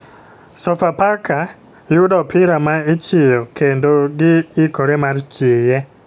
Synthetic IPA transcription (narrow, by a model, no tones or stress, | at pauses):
sɔfapaka | jʊdɔpʰɪɾamait͡ʃɪjɔkendoɡɪɪkoɾemart͡ʃɪjɛ